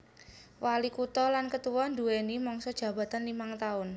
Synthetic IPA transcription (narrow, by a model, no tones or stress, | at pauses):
walikut̪ɔlankət̪uwɔnd̪uwenimɔŋsɔd̥ʒ̥ä̤b̥a̤t̪anlimaŋt̪aʊn